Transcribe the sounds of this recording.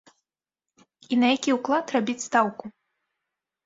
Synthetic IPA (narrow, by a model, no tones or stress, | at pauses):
inɐjakʲiuwklˠat̪rabʲit͡sʲst̪awku